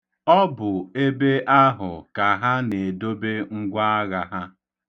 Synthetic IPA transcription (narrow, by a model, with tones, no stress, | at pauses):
ɔ˦bʊ˨e˦be˦ʔa˦ɦʊ˨ka˨ɦa˦ne˨do˦be˦ŋ̩˦ɡʷa˦a˦ɣa˨ɦa˦